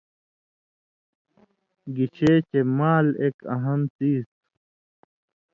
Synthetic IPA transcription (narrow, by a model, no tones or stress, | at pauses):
ɡit͡ɕʰeːt͡ɕemaːleːkɐ̰ɦɐnt̪iːs